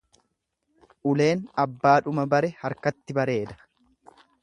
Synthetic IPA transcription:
ʔʊle̞ːnɐbːaːᶑʊmɐbɐɾɛhɐɾkɐt̪ːɪbɐɾe̞ːd̪ɐ̥

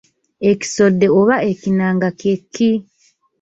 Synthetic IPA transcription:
e̞ci̥so̞dːe̞oβaʔecinaːŋɡakekʰːi

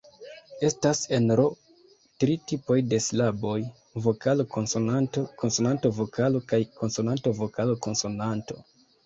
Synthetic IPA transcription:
e̞stase̞nɾo̞ | tɾitipo̞jde̞slabo̞j | vo̞kʰalokonsonantoko̞nso̞nanto̞vokʰalo̞kajko̞nso̞nanto̞vo̞kaloko̞nso̞nanto̞

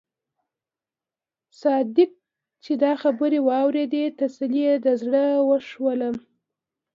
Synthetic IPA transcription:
sɑd̪ɪk̚ | t͡ʃed̪ɑxabəɾewɑwɾed̪et̪asalijed̪əzɽəwəʂwələm

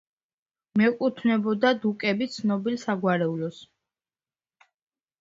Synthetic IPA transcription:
mɛkʼut̪ʰvnɛbɔd̪ad̪ukʼɛbit̪sʰnɔbilsaɡwaɾɛulɔs

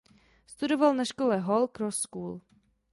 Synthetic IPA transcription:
st̪udovalnaʃkolɛɦolkɾosːkuːl

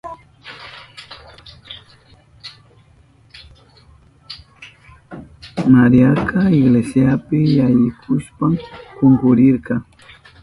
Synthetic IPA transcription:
maɾiakaɪɡlesjapɪjajɪkʰʊʃpamkoŋkʊɾɪɾkɑ

